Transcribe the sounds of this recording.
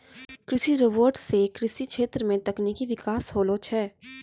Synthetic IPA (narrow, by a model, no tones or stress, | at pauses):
kɾɪsiɾoʋoːɾɖsekɾɪsikʃeːt̪ɾəmẽt̪ɐkniːkiʋɪkaːsɦoːlot͡ʃʰɛː